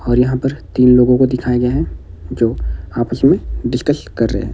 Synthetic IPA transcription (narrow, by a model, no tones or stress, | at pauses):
ɔːɾjɐɦãpɐɾt̪iːnloːɡõkod̪ɪkʰaːiɡɐjeɦɛ̃ | d͡ʒoːaːpəsmẽɖɪskəskɐɾːə̰ɦḛɦɛ̰̃